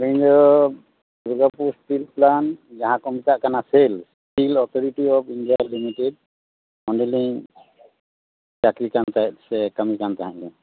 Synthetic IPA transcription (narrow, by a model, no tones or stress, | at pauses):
ɾiɲdɔ | buɡapuspilplanzaɦãkɔmitaʔkanasels | pilɔt̪ʰɔɾiʈiɔpʰindijalimited̚ | mɔnɖɛliŋ | d͡ʒakɾikantajt̚sɛkamikantaɦãʔnɛ